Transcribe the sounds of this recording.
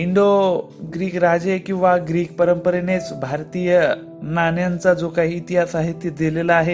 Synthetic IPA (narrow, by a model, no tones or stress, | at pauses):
iɳɖo | ɡɾiːkɾad͡ʑekĩw̃ʋaɡɾiːk̚pəɾəmpəɾenet͡sbʱaɾt̪ijə | nanjant͡sad͡zokaɦiːt̪iɦasaɦit̪jəd̪ilelaaɦe